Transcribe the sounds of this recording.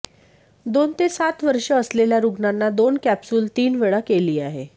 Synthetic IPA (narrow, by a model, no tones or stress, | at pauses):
d̪ont̪esat̪ʋəɾʂəəsleljaɾuɡnanːad̪onkæpsuːlt̪iːnʋeɭakeliːaɦe